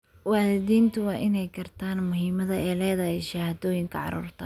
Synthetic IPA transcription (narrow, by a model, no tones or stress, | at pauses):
wɑːlɪðiːnt̪ʰʊwɑːʔɪnɛjkʰɐrt̪ʰaːnmʊɦiːmɐðɐɛːlɛːðɐɦɛjʃɐhaːðɔːjɪŋkʰɐʕɑ̰ɾṵːrt̪ʰɐ